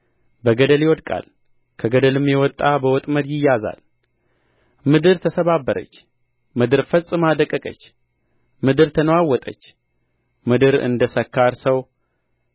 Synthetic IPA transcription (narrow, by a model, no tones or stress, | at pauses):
bəɡəd̪əljɛwɔd̪kʼa̰l | kʰəɡəd̪əlɨmjɛwɔt̪ʼːabəwɔt̪ʼməd̪jɪjːaza̰l | mɨd̪ɨɾt̪ʰəsəβabːəɾə̰t͡ʃː | mɨd̪ɨɾfəsʼːɨmad̪əkʼːəkʼə̰t͡ʃː | mɨd̪ɨɾt̪ʰənəwawːɔt̪ʼə̰t͡ʃː | mɨd̪ɨɾɨ̰nd̪əsəkʰːaɾsəw